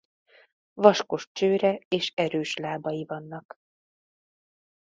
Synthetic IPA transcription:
vɒʃko̞ʃt͡ʃøːɾɛeːʃɛɾøːʃlaːbɒjivɒnːɒk

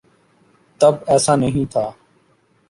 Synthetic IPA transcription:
t̪əbɛːsãːnəɦĩːt̪ʰaː

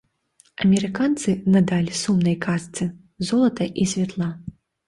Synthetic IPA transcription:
ɐmʲɛɾɨkant̪sɨnad̪alʲisumnɐjkast̪sɨ | zɔlˠɐt̪ɐʔisʲvʲɛt̪lˠa

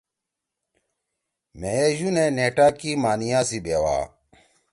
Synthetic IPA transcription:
meeʑuneneːʈaːkimaːnijãːsibeːwa̰ː

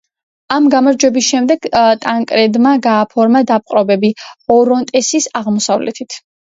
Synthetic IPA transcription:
amɡamaɾd͡ʒwɛbisʃɛmd̪ɛɡ̥t̪ʼaŋkʼɾɛd̪maɡaːpʰɔɾmad̪ap̚ʼqʼɾɔbɛbiɔɾɔnt̪ʼɛsisaʁmɔsavlɛ̰t̪ʰit̪ʰ

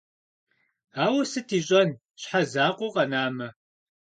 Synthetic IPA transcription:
aːwɐsɨtʰiːɕʼɐn | ɕħazaːqʷʊqɐnaːmɐ

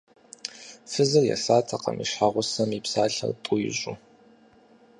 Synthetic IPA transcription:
fɨzɨrja̰saːtʰɐqɐ̰miʃħaʁʷʊsɐmipsaːɬɐ̰rtʼʊjʑʼʊ

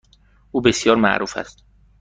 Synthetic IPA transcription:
ʔuːbe̞sjɒːɾmæ̰ʔɾʔuːfæ̰st̪

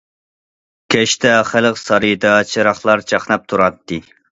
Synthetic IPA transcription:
kʲʰɛʃt̪ʰɛχæləqsɑɾɨd̪ɑt͡ʃʰɨɾɑχlˠɑɾt͡ʃʰɑχnɑp̚t̪ʰuɾɑt̪ːɨ

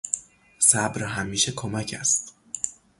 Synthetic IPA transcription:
sæbɾɦæmːiːʃekʰomæcʰæst̪

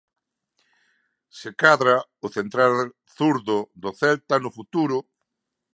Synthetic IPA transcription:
sɪkaðɾaʊθent̪ɾal | θuɾðʊðoθɛlt̪anʊfut̪uɾʊ

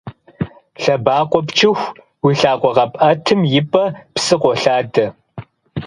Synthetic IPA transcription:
ɬɐbaːqʷɔpt͡ʃʰɪxʷ | wiɬaːqʷɔʁɐpʼɐtʰɨmjɪpʼɐpsɨqʷɔɬaːdɐ

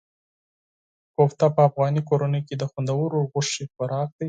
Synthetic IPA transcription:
koft̪apəafɣɑnikoɾanəjked̪əxand̪awəɾoɣʊʂexaɾɑk̚d̪̥aj

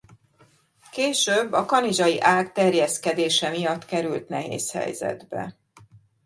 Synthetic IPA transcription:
keːʃøbːɒkɒnid͡ʒɒjiʔaːkt̪ɛrjɛskɛd̪eːʃɛmijɒt̪ːkɛɾylt̪nɛɦḛːshɛ̰jzɛ̰d̪bɛ̰

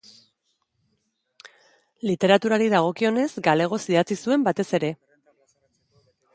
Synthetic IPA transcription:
lit̪e̞ɾat̪uɾaɾiðaɣ̞o̞kio̞ne̞zɡale̞ɣ̞o̞siðat͡sisue̞mbat̪e̞se̞ɾe̞

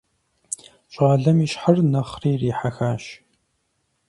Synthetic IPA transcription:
ɕʼʁaːɮɐmiːʃħərnɐχriːriːħaxaːʃ

